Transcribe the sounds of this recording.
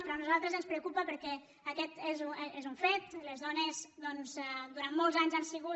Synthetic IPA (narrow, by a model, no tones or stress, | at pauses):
pɾɔnuzalˠt̪ɾəzənspɾəukupəpəɾkɛ | əkɛt̪ezuezuɱfet̪lezðɔnezd̪ɔnzd̪uɾanmɔlˠzaɲzansiɣu